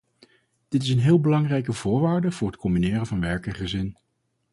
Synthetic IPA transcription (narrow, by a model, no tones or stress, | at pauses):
d̥ɪtɪsənɦɪːlˠbəlɑŋrɛjkəvʊːɹʋaːɹdəv̥ʊːɹɦətkʰɔmbinɪːrənvɑnʋɛɹkɛnχəzɪn